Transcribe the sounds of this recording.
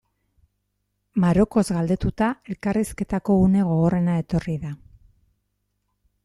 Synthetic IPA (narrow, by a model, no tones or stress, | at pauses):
maɾo̞ko̞zɣald̪e̞t̪ut̪ae̞lkariske̞t̪ako̞une̞ɣ̞o̞ɣo̞re̞nae̞t̪o̞riða